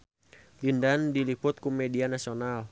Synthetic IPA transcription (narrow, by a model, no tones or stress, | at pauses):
lindandilipʊt̪̚kumɛdianasional